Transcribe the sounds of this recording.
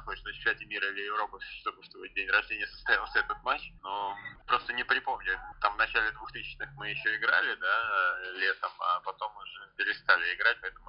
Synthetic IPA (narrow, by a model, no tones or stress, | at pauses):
xot͡ɕɪ̥sɨsʲɛtʲɪmʲiɾəlʲɪjɪvɾo̞pɨst̪obɨst̪ovət̚ʲdʲenʲrɐʐdʲenʲɪjəsə̥st̪ɐjalˠsʲəɛt̪ət̪̚mat͡ɕnopɾo̞st̪ənʲɪpɾʲɪpo̞mnʲɪt̪amvnɐt͡ɕælʲɪd̪vuxt̪ɨsʲɪ̥t͡ɕnɨxmɨjɪɕːoɪɡɾa̰lʲɪd̪alʲe̞t̪əmɐ̰pɐt̪o̞mːʊʐɛpʲɪɾʲɪst̪alʲɪɪɡɾat̚ʲpɐɛt̪əmʊ